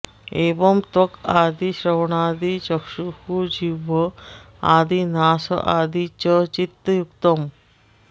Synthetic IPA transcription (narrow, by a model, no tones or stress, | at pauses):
ebɔmt̪okad̪iʃɾɔwɳaːd̪it͡ʃɔkʃuhud͡ʒibɔ | aːd̪inaːsɔ̰ʔaːd̪it͡ʃɔt͡ʃit̪ːɔjukt̪ɔm